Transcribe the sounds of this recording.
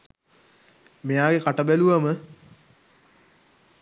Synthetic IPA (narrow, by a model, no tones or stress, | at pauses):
mejaːɡekaʈəbæluʋɐmə